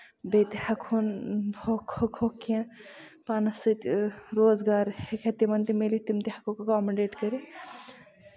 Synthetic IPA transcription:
bet̪ihɐkʰonhokhokhokːijãpaːnɐsɨt̪ɾoːzɡaːɾhekʰet̪imɐnt̪imelit̪imt̪ihɐkʰokokɔːmɐɳɖeːʈkɐɾe

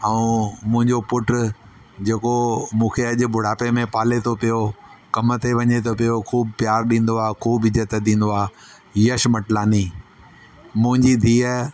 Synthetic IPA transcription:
ɐũmʊ̃ɦɪ̃ɲd͡ʑopʊʈ | d͡ʑeːkomũːkʰeɐʄʊ̆bʱʊɽ̤aːpemẽpaːlet̪ʰopijokɐmt̪ʰeʋɐɲet̪ʰop̬ijokʰuːbpjaːɾɗĩːn̆d̪oaːkʰuːbɪd͡ʑət̪ɗ̪ĩːn̆d̪oaː | ɦiːəʃmɐʈlaːni | mʊ̃ɦɪ̃ɲd͡ʑid̪ʱiːə

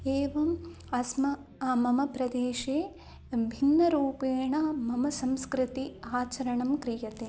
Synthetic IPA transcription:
eːʋɐm | ɐsmɐ | mɐmɐpɾɐd̪eːʃeː | bʱinːɐɾuːpeːɳɐmɐmɐsɐmskɾɪt̪iaːt͡ʃɐɾɐɳɐmkɾijɐt̪eː

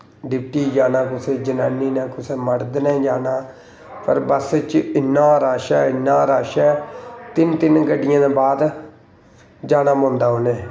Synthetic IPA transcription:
ɖɪpʈiːd͡ʒaːnaːkʊseːd͡ʒənaːnːiːnɛ̃ːkʊseːməɽd̪nɛːd͡ʒaːnaː | pə̰ɾbəst͡ʃɪnːãːɾaːʃɛːɪnːãːɾaːʃɛːt̪ɪnt̪ɪnɡəɖːɪjãːd̪eːbaːd̪ | d͡ʒaːnaːmõːnd̪aːɦoːneː

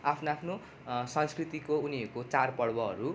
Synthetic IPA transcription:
apʰnaapʰno | sʌ̃nskrit̪ikouniekot͡sarpʌɽbʌɦʌ̰ɾu

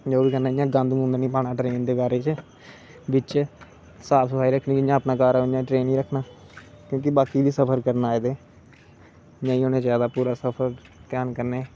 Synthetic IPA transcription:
d͡ʒoːbiːkənaːɪjãːɡãnd̪mũnd̪əɾnĩːpaːɽaːʈɾeːnd̪eːbaːɾeːt͡ʃ | bɪt͡ʃ | saːpʰsəpʰaːiːɾəkʰnĩːkːd͡ʒãːəpnaːkaːɾajãːʈɾeːnĩːɾəkʰːnaː | kjõːk̬ɪbaːkiːbiːsəpʰəɾkəɾnaːed̪eː | jãːĩːoːneːd͡ʒjaːd̪aːpuːɾaːsəpʰəɾ | t̪jaːnkəɾneː

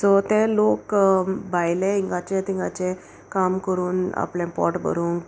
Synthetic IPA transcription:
sɔt̪elokbajleiŋɡat͡ɕẽt̪ĩŋɡat͡ɕe | kamkəɾuːna̰plɛ̃pɔ̰ʈbʱə̰ɾuːŋɡ

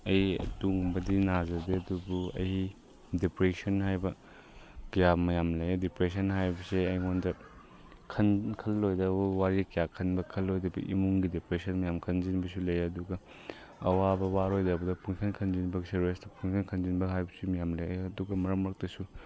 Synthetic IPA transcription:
ɐjiɐ̰duŋbɐdinazɐdeɐdubuɐ̰jhi | depɾesɐnɦajbɐ | kijamɐjamlɐjadipɾesɐnɦajbɐseɐjŋondɐ | kʰɐnkʰɐlːojdɐbuwaɾikijakʰɐnbɐkʰɐlːojdɐbɐ̰ʔḭmuŋɡidepɾesɐnmɐjamkʰɐnzinbɐsulɐjɐduɡɐ | ɐwabɐwaɾojdɐbɐdɐpʰuŋkʰɐnkʰɐnzinbɐɡiseɾesdɐpʰuŋkʰɐnkʰɐnzinbɐɦajbɐsumɐjamlɐjaɐduɡɐmɐɾɐmɾɐk̚tɐsu

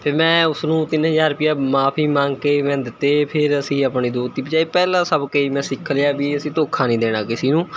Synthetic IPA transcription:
pʰɪɾmɛ̃ːʊsnũːt̪ɪnɦəzaːɾʊpɪjaːmaːpʰiːmãːŋɡkeːmɛ̃ːd̪ɪt̪ːeːpʰɪɾəsĩːəːpɳiːd̪oːt̪iːbəd͡ʒaːiːpɛːlãːsəbkəiːmɛ̃ːsɪkʰəljaːbiːəsĩːt̪oːkʰãːnĩːd̪eːɽ̃aːkɪsiːnũː

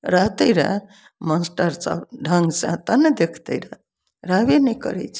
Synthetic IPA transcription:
ɾaɦt̪əjɾa̰ | məsʈəɾsa̰ɖʱəŋɡsã̰t̪anəd̪ekʰt̪əjɾa | ɾaʋenəjkə̰ɾɛ̰t͡ʃʰ

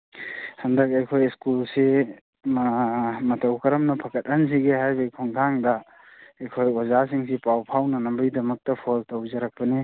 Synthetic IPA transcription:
hɐndɐkajkʰojskulse | mmɐtɐwkʰɐɾɐmnɐpʰɐkʰɐt̚ɐns̬iɡeɦajbɐjkʰɔŋkʰaŋdɐ | ɐjkʰojozasiŋsipawpʰawnɐnɐmbɐjdɐmɐk̚tɐpʰoltɐwzɐɾak̚pɐni

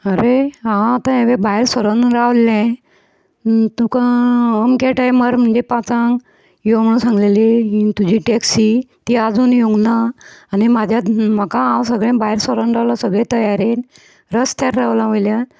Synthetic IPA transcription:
əɾeɦãwat̪ãɦeʋebajɾsəɾənɾaʋlẽ | t̪ũkaəmkaʈajməɾm̤əɳd͡ʑepãt͡sã | jom̤əɽũːnsãŋɡleliɦĩt̪ud͡ʑiːʈɛksiː | t̪iːad͡zuːnjoɡnaːnimad͡ʑʱjam̤əkãɦãwsəɡɭẽbaɦeɾsəɾənɾaʋlasəɡɭẽt̪əjaɾen | ɾəst̪ʰaɾːaʋlaʋəjlja

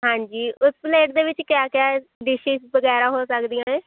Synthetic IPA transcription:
ɦãːɲd͡ʒiːʔʊspleːʈd̪eːʋɪt͡ʃkjaːkjaːɖɪʃiːsbəɡɛːɾaːɦoːsəkd̪ijãːneː

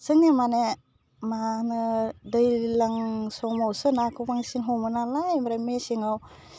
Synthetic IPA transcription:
sɯŋemane | manɯdɯjlaŋsɔmawsɯnakʰɯpaŋsinɦɔmɯnalajmaɾamesiŋaw

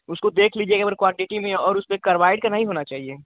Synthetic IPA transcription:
ʊskod̪eːkʰliːd͡ʒiekebəɾkwãɳʈɪʈimẽɔːɾʊspekɐɾʋaːɪɖkɐɾnaːɦiɦoːnat͡ʃaːɦieː

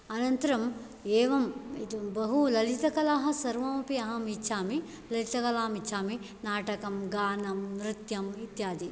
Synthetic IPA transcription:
ɐnɐnt̪ɐɾɐm | eːʋɐmit̪bɐɦulɐlit̪ɐkɐlaːɦɐ̆sɐɾʋɐmɐpiɐɦɐmitːʃʰaːmi | lɐlit̪ɐkɐlaːmitːt͡ʃʰʃʰaːmi | naːʈɐkɐmɡaːnɐmnɾɪt̪jɐmit̪jaːd̪i

